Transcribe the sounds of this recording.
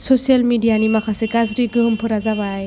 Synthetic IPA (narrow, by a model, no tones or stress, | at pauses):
sɔsialmidijanimakʰasɛɡazɾiɡɯɦɯmpʰɯɾazaβaj